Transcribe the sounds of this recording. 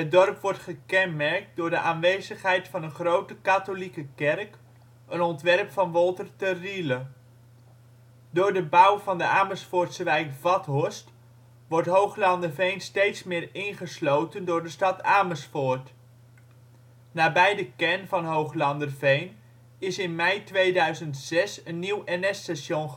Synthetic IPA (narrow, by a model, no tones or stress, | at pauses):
ɦət̚dɔrpʋɔɹtχəkɛnmɛɹk̚dʊːɹdəʔaːnʋejzəχɦɛjtfɑnəχrowtəkatolikəkɛrk | ənɔntʋɛrpfɑnʋɔlˠtərtərilə | dʊːɹdəbʌwvɑndəaːməsfʊːɹtsəʋɛjkvɑtɦɔst | ʋɔɹtɦowχlɑndərvejnstejtsmɪːɹɪnχəslowtəndʊːɹdəstɑtaːməsfʊːɹt | naːbɛjdəkɛnvɑnɦowχlɑndərvejn | ɪsɪnmɛjtʋejdœɥzəntsɛsənːiwɛnɛsɛsjon